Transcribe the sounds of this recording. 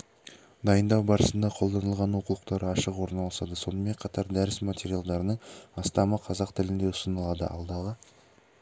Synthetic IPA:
d̪ɑjənd̪ɑwbɑɾəsənd̪ɑqʰo̞lˠd̪ɑnəlˠʁɑnwo̞qulˠəq̚t̪ɑɾəɑʃəqwo̞ɾənɑlˠɑsɑd̪əso̞nəme̞ɴqʰɑt̪ɑɾd̪æɾɪsmat̪ʰʲe̞ɾijalˠd̪ɑɾənəɴɑst̪ɑməqʰɑzɑqt̪ʰɪlɪnd̪e̞ʊ̥sənəlˠɑd̪ə̰ʔɑ̰lˠd̪ɑʁə

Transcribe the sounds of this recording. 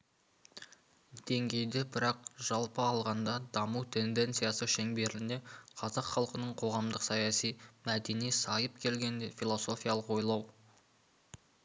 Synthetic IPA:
d̪̥e̞ŋɡʲe̞jd̪e̞bɪɾɑq̚ʒ̥ɑlˠpəɑlˠʁɑnd̪ɑd̪ɑmuwt̪ʰe̞nd̪e̞nt̪sɨijasəʃe̞ŋbe̞ɾɪne̞qʰɑzɑqχɑlˠqənəɴqʰo̞ʁɑmd̪əqsɑjɑsijmæd̪e̞nijsɑjəp̚kʲʰe̞lɡʲe̞nd̪efʲilˠo̞so̞fʲijɑlˠəqwo̞jlˠɑw

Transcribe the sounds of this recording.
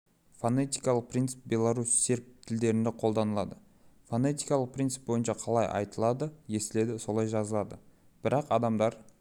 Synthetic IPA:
fonet̪ijkɑlˠəq̚pɾʲint̪sɪ̥p̚bʲe̞lˠaɾusːe̞ɾp̚t̪ʰɪld̪e̞ɾɪnd̪eqʰo̞lˠd̪ɑnəlˠɑd̪ə | fonet̪ijkɑlˠəq̚pɾʲint̪sɪ̥p̚bo̞jənʃɑqʰɑlˠɑjʔɑ̰jt̪əlˠɑd̪əje̞sɪle̞d̪ɪso̞lˠɑjʒɑzəlˠɑd̪ə | b̥ɪɾɑqɑd̪ɑmd̪ɑɾ

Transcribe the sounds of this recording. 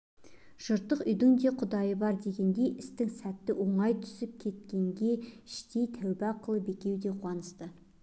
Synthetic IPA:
ʒ̥ʊɾt̪ːəqʏjd̪ɪŋd̪e̞qʰʊd̪ɑjəbɑɾd̪e̞ɡʲe̞nd̪e̞jʔɪst̪ɪŋsæt̪ːɪwʔo̞ɴɑjt̪ʰʏ̥sɪp̚kʲʰe̞t̪̚kʲe̞ŋɡʲe̞ɪʃt̪e̞jt̪ʰæwbɪɑqəlˠəbe̞kʲe̞wd̪e̞qʰwɑnəst̪ə

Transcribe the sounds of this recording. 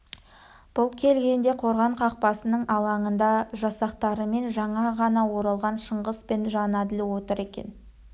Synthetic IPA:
b̥ʊlˠkʲʰe̞lɡʲe̞nd̪e̞qʰo̞ɾʁɑɴqʰɑq̚pɑsənəɴɑlˠɑɴənd̪ɑʒɑsɑqt̪ɑɾəme̞nʒɑɴɑʁɑnɑwo̞ɾɑlˠʁɑnʃəɴʁəspe̞nʒɑnɑd̪ɪlɪwo̞t̪əɾe̞kʲe̞̰n

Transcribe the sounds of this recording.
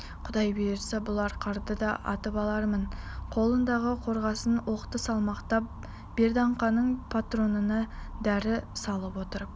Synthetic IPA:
qʰʊd̪ɑjbeeɾsebʊlˠɑɾqʰɑɾd̪əd̪ɑʔɑ̰t̪əpɑlˠɑɾmənqʰo̞lˠənd̪ɑʁəqʰo̞ɾʁɑsənwo̞qt̪əsɑlˠmɑqt̪ɑp̚ | b̥e̞ɾd̪ɑɴqɑnəɴpʰat̪ro̞nənɑd̪æɾɪsɑlˠəpwo̞t̪əɾ

